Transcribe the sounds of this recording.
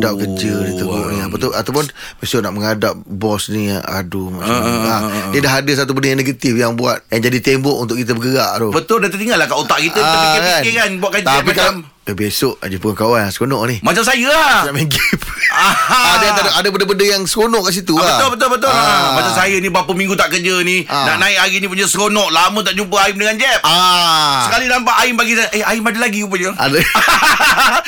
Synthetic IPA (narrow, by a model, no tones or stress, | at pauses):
dap̚kəd͡ʒədit̪əɡoʔniapət̪ʊat̪awpʊn | besʊʔnaʔməŋadap̚bɔsnḭa̰duma̰ʔt͡ʃaladiədaɦadəs̬at̪̬ubəndəjãneɡət̪ifjaŋbua̰t̪̚jand͡ʒadit̪embɔʔunt̪̬ʊʔkit̪̬əbəɡəɣaʔɾobət̪ʊldat̪ət̪iŋalahkaut̪aʔkit̪əakanekanbuaʔkad͡ʒt̪apikalm | tabesoʔa̰d͡ʒipuaŋkawanaŋsə̥konɔʔnihmat͡ʃamsajəat͡ʃamẽɡepaadaʔadəbəndəbəndəjaŋsəkonɔʔkaʔs̬it̪uabt̪ʊlbət̪ʊlbət̪̬ʊllamat͡ʃamsajənibapəmĩŋɡut̪aʔkəd͡ʒənina̰ʔnãɪkaɡinĩpuɲasəkonɔʔlamə̃t̪̬aʔd͡ʒumpəaɪmdəŋand͡ʒɛp̚asəkalinampaʔaɪmbaɡisaʔəaɪmadəlaɡiup̬əɲəa̰də